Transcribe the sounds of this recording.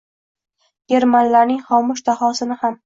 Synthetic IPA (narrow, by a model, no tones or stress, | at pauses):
ɡʲeɾmanlaɾnɪŋχɒmʊʃt̪ʰahɒsɪnɪham